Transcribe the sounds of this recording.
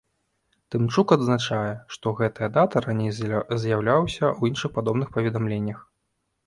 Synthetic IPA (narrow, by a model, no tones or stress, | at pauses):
t̪ɨmt͡ʂukɐd̪znat͡ʂajɛʂt̪ɔɣɛt̪ɐjɐd̪at̪ɐɾanʲejzʲjawlʲawsʲɐuinʂɨxpad̪ɔbnɨxpɐvʲɛd̪amlʲenʲːɐx